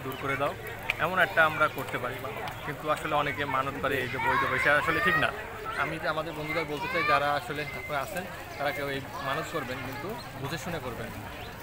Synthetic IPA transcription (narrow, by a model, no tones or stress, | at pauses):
d̪uɾkoɾed̪ao | ɛ̰monɛk̚ʈaamɾakoɾt̪epaɾimakint̪uaʃoleɔnekemanot̪kaɾeejd͡ʑoboejd͡ʑobeʃeaʃoleʈʰikna̰ | a̰miamad̪eɾbond̪uɡaɾbolt̪et͡ɕaid͡ʑaɾaaʃoleapneaʃʰen | t̪aɾakewej | manud͡ʑkoɾbenkint̪u | bud͡ʑʱeʃunekoɾben